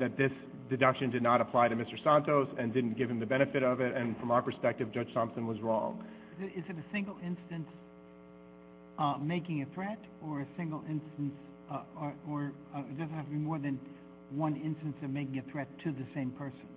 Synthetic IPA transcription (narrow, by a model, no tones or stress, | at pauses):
ðɨt̪̚ðɪs | dɨdʌkʃɨ̃ndɨdⁿnəɾəpʰl̥aɪɾɨmɪstə˞sæ̃ntoʊsɨ̃ndɪdⁿn̩ɡ̥ɪv̥ɨ̃m̩ðɨbɛñɨfɨɾʌvɪɾɨ̃nfɹʌ̃maʊə˞pʰə˞spɛk̚tɨvd͡ʒʌd̥ʒ̥tʰɑ̃msɨ̃nwʌzɹɔ̰̃ŋ | ɪzɨɾɪzɨɾɨsɪ̃ŋɡl̩ˠɪ̃nstɨ̃ns | meɪkɪ̃ŋɨθɹɛɾ | ə˞ɨsɪ̃ŋɡl̩ˠɪ̃nstn̩s | əə˞ | t̚d̥ʌznt̚hæftɨbimɔɹðɨ̃n | wʌ̃nɪ̃nstɨ̃n̩sʌvmeɪkɪ̃ŋɨθɹɛtʰɨðɨsẽɪ̃mpʰɜ˞sɨ̃n̩